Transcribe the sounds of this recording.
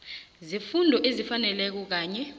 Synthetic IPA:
zifundʱɔʔezifanɛlɛk̬ɔk̬aːɲɛ

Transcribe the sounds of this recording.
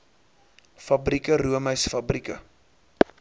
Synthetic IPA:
fɐbrikəruəməɥsfɐbrikə̰

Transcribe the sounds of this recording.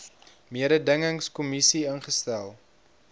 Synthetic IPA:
miəɾədəŋəŋskumisiənχəstælˠ

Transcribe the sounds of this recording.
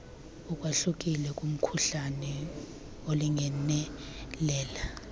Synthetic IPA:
ukʼwaɬuk̬ʼilɛkʼum̩kʰuɬanɛ | oliŋɛnɛlɛːla

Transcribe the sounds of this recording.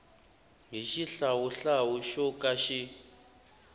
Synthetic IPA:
ŋʱiʃiɬawuɬawuʃokʼaʃi

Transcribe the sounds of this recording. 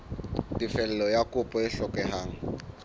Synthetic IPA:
tʼifɛlɛlɔjakʼʊpʼɔɪɬɔkʼɛɦaːŋ̩

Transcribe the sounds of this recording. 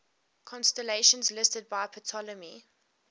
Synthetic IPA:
kʰɔ̃nstəleʃə̃nzlɪstəd̚baɪpʰɔtʰɔləmi

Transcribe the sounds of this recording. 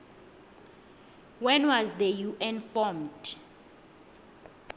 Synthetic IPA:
wɛ̃nwazdəjuʔɛnfɔmd

